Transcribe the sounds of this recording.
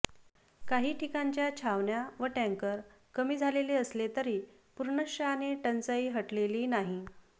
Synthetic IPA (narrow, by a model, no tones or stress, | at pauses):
kaɦiːʈʰikaɲt͡ɕjat͡ɕʰaʋɳjaʋəʈɛ̃ŋkəɾ | kəmiːd͡zʱaleleəslet̪əɾiː | puɾɳəɕəaneʈənt͡səiːɦəʈleliːnaɦi